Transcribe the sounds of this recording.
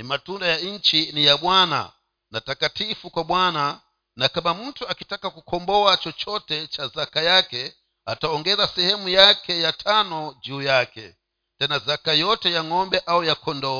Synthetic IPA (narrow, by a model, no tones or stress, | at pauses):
nimatundajaint͡ʃinijaɓwana̰ | natakatifukwaɓwana | nakamamuntʰuakitakakukʰɔmbɔat͡ʃɔt͡ʃɔtɛt͡ʃazakajakɛ | a̰taɔŋɡɛzasɛhɛmujakʰɛjatʰanɔd͡ʒujakɛ̰ | tɛnazakajɔtɛjaŋɔmbɛʔaujakʰɔndɔː